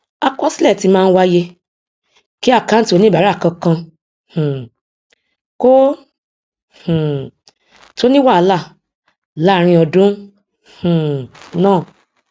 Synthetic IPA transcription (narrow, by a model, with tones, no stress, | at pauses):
a˧kɔ˦si˦lɛ˦˨ti˧mãː˦˧n̩˦˧wa˦je˧ | ki˦a˦˨ka˨˦n̩˦ti˦o˧˦nĩ˦ba˨ɾa˦˨kã˧kã˧ | hũ˨ | ko˦ | h̩˨ | to˦nĩ˦wa˦˨˦la˦˨ | la˦˨ɾ̃ĩ˧ɔ˧dũ˨˦ | hũ˨nãː˦˨